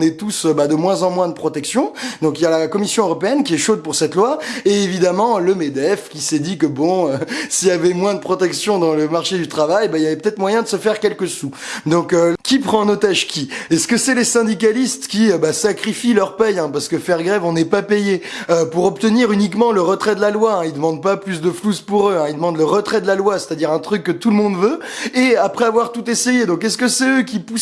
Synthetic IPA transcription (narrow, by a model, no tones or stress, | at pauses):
nɛt̪usøbad̪əmwɛ̃zɑ̃mwɛ̃d̪əpχɔt̪ɛksjɔ̃d̪ɔ̃kiljalakɔmisjɔ̃øʁɔpeɛnkʲiɛʃod̪̚puʁsɛt̪lwaeevid̪amɑ̃ləmed̪ɛfkʲisɛd̪ikəbɔ̃øsijavɛmwɛ̃d̪əpχɔt̪ɛksjɔ̃d̪ɑ̃ləmaʁʃed̪yt̪χavajbailavɛpət̪ɛt̪χmwajɛ̃d̪əsəfɛʁkʲɛlkəsud̪ɔ̃køkʲipχɑ̃not̪aʒkʲiɛskəsɛlesɛ̃d̪ik̬alist̪kʲiøbasakχifilœʁpɛjɛ̃paʁsə̥kəfɛʁɡʁɛvɔ̃nɛpapejeøpuʁɔp̚t̪əniʁynikmɑ̃ləʁət̪χɛd̪əlalwaɛ̃ild̪əmɑ̃d̪̚paplys̬d̪əfluspuʁøɛ̃ild̪əmɑ̃d̪ləʁət̪χɛd̪əlalwase̥t̪ad̪iʁɛ̃t̪χykːət̪ulmɔ̃d̪vø | eapχɛavwaʁt̪ut̪esejed̪ɔ̃kɛskəsɛøkʲipu